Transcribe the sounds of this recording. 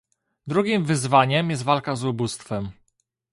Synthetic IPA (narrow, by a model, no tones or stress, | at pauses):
d̪ɾuɡʲimvɘzvaɲɛmjɛst̪valkazubust̪fɛm